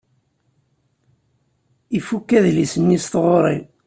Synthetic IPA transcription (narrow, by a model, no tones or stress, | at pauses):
ifukːæðlisənːist̪ʁoɾˤi